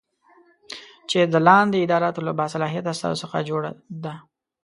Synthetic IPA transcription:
t͡ʃed̪əlɑnd̪eɪd̪ɑɾɑt̪olabɑsalɑɦijat̪ast̪ɑ̰zosəxa̰d͡ʒoɽa̰d̪a

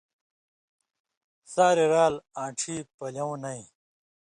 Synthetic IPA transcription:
saːɾiɾaːlãːʈ͡ʂʰiːpɐlɐwnɐĩ

